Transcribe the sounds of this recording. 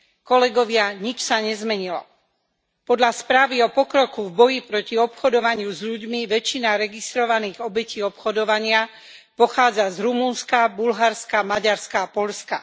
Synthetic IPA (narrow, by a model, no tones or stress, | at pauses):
kɔlɛɡɔʋɪaɲit͡ʃsaɲɛzmɛɲilɔ̰ | pɔd̪ʎaspɾaːʋiɔpɔkɾɔkuvbɔjipɾɔciɔpxɔd̪ɔʋaɲɪuzʎuɟmiʋɛt͡ʃːinaɾɛɡist̪ɾɔʋaniːɣɔbɛciːɔpxɔd̪ɔʋaɲɪa | pɔxaːd͡zazɾumunskabulɦaɾskamaɟaɾskaːpɔʎska